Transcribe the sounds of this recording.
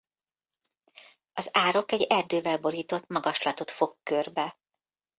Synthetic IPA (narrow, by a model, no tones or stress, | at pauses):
ɒzaːɾo̞kɛɟɛrd̪øːvɛlbo̞ɾiːt̪o̞t̪mɒɡɒʃlɒt̪o̞t̪fo̞kːørbɛ